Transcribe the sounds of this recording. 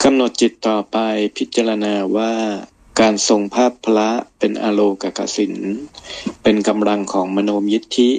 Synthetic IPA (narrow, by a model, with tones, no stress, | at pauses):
ka˧mno˨˩t̪̚t͡ɕi˨˩t̪ːɔː˨˩pa˧jpʰi˦˥t̪̚t͡ɕa˧ɾa˧naː˧waː˥˩ | kaː˧nso˧ŋpʰaː˥˩pʰːla˦˥pe˧nʔaː˧loː˧ka˨˩ka̰˨˩si˨˩˦n | pe˧nka˧mla˧ŋkʰɔː˩˦ŋma˧noː˧mji˦˥t̪ʰːi˦˥ʔ